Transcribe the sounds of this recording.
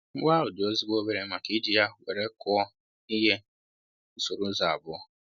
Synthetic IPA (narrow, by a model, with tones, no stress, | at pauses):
wa˦ʊ˨dɪ˨o˦zi˦ɡ͡bo˦be˦ɾe˦ma˨ki˦d͡ʒi˦ja˦we˨ɾe˦kɔ˦ɔ˦ | i˦ɦe˦ | n̩˦so˨ɾu˦za˨a̰˨bʊ˦ɔ˦